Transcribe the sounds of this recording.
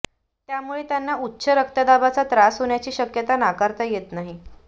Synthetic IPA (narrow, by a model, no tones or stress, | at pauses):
t̪jamuɭet̪janːautːɕʰəɾək̚t̪əd̪abat͡sat̪ɾasɦoɳjat͡ɕiːɕəkjət̪anakaɾt̪ajet̪naɦi